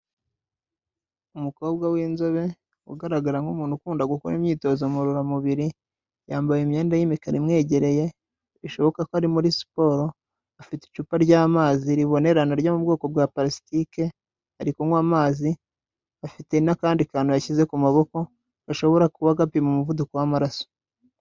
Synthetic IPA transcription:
umuko̞ːbɡawiːnzo̞βe̞ | uɡaɾaɡaɾaŋɡumuːnhukuːndaɡuko̰ɾḭmɲiːto̞ːzomuɾuɾamuβiɾi | jaːmbajimɲe̞ːndajimikaɾimŋe̞ːɟe̞ɾe̞je̞ | βiʃo̞βo̞kakoaɾimuɾisi̥po̞ːɾo̞ | afite̥t͡ʃuːpaɾɟaːmaːziɾiβo̞ne̞ɾanaɾɟamub̚ɡo̞ːko̞bɡaːpaɾisi̥tike̞ | haɾikuŋɡwaːmaːzi | afite̞nakaːndikaːnujaçize̞kumaβo̞ko̞ | aʃo̞βo̞ɾakuβaɡapimumuvudukowamaɾaso̥

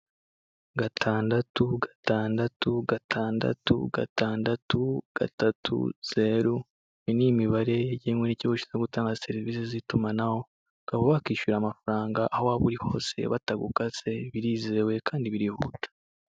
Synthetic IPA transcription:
ɡatʰaːndatuɡḁtaːndatuɡatʰaːnda̰tṵɡa̰tʰaːndatuɡ̥a̰tatʰṵz̥e̞ɾu | inimiβaɾe̞eɟiemwoniciβuʃi̥zoɡutaːŋɡase̞ɾiviːsezitumanaho̞ | kɡaβoβakiːʃuɾaːmafaɾaːŋɡaʔahowaːβuɾiho̞̰ːse̞̰βataɡukase̞βiɾiːze̞we̞kʰaːndiβiɾihṵːtḁ

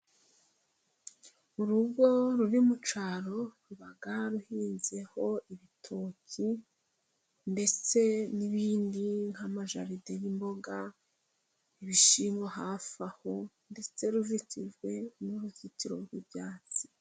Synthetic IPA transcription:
uɾuɡɡo̞ɾuɾimut͡ʃaɾo̞ɾuβaɡaɾuhiːnze̞ho̞iβitʰoːci | nde̞t͡se̞niβiːndiŋhamaʒa̰ɾidejimbo̞ɡa | iβiʃiːŋɡoɦafaho̞ | nde̞t͡se̞ɾuziciʒɡwe̞nuɾuziciɾo̞uɾubjaːt͡si̥

